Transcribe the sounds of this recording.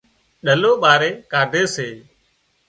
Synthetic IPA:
ɗəloːɓaːɾeːkaːɖʱeːseː

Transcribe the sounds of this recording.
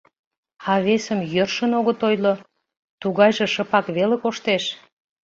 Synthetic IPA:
ɑβesəmjørʃənoɣət̪ojlo | t̪uɣɑjʒĕʃə̆pɑkβelekoʃt̪eʃ

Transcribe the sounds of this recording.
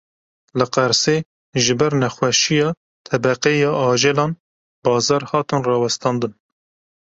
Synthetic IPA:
lɨqæɾse | ʒɨbɛɾnɛxwɛʃijɑː | t̪ʰɛbɛqɛjɑːʔɑːʒɛlɑːn | bɑːzɑːɾhɑːt̪ɨnrɑːwɛst̪ʰɑːnd̪ɨn

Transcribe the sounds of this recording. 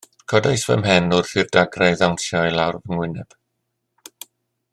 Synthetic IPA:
kʰɔdajsvə̰mɦɛnʊrr̥ɨvdaɡrajðawntjɔilˠawrvəŋwɪnɛb̥

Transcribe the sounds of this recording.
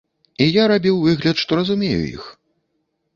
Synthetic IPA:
ijaɾabʲiwvɨɣlʲɐt̪ʂt̪ɔɾɐzumʲejṵjḭx

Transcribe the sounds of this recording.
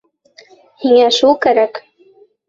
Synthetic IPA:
hiŋæʃulˠkæɾæk

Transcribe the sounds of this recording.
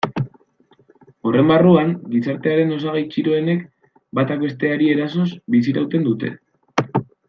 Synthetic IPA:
o̞re̞mbaruaŋɡisaɾt̪e̞aɾe̞no̞saɣejt͡ʃiɾo̞e̞ne̞k | bat̪ake̞st̪e̞aɾie̞ɾaso̞sbisiɾawt̪e̞nd̪ut̪e̞̰

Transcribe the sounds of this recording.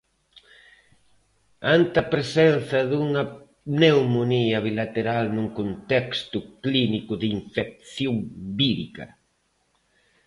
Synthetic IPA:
ant̪ɐpɾesɛnθɐðuŋɐ | newmoniɐβilat̪eɾalnuŋkont̪ɛkst̪ʊklinikʊðɪiɱfek̚θjoŋbiðikɐ̰

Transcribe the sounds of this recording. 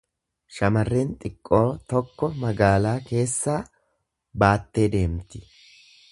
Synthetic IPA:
ʃɐmɐrːɛnt̪ʼɪkʼːo̞ːt̪ɔkːɔmɐɡaːlaːke̞ːsːaː | baːt̪ːe̞ːd̪e̞ːmt̪ːɪ̥

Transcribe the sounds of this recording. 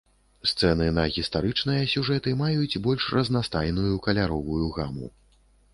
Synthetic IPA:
st̪sɛnɨnɐɣʲist̪aɾɨt͡ʂnɨjɐsʲuʐɛt̪ɨmajut͡sʲbɔlʲʂrɐznast̪ajnujukɐlʲaɾɔvujuɣa̰mṵ

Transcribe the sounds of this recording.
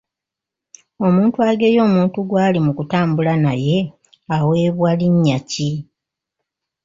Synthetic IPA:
o̞muːntuaɡe̞ːjo̞ːmuːntuɡwaːlimukutaːmbulanaje̞ | awe̞ːβwaliɲːaci

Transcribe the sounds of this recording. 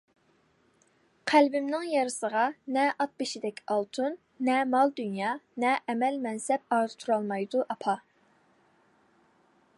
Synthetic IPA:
qʰælbɪmnɪŋjɑɾɨsəʁɑnɛʔɑt̪̚beʃid̪ɛkʲʰɑlˠt̪ʰunː | ɛmɑlˠd̪ynjɑːnɛʔɛmɛlmɛnsɛpɑːzɨ̥t̪ʰuɾɑlˠmɑjd̪uʔɑpʰɑ

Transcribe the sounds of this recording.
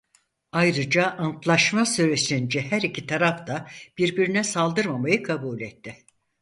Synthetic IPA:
ajɾɯd͡ʒaʔant̪lˠaʃmasyɾesind͡ʒɛhæɾicʰit̪ʰaɾaft̪ʰab̥iɾbiɾinɛsalˠd̪ɯɾmamajɯkʰabuːlʲɛt̪ːɪ

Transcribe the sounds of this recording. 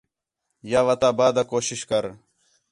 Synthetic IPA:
jaːʋɐt̪aːbaːd̪akoːʃɪʃkɐɾ

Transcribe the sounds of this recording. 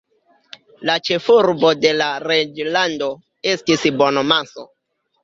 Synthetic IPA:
lat͡ʃe̞fuɾbo̞de̞laɾed͡ʒlando̞ | e̞stisbo̞nomaso̰

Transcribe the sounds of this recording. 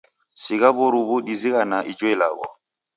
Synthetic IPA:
siɣabɔɾubudiziɣanaʔid͡ʒɔila̰ɣɔ̰

